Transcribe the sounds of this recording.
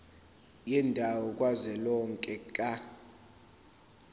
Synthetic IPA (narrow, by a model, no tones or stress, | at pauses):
jɛndʱawɔkʼwazɛlɔŋkʼɛkʼa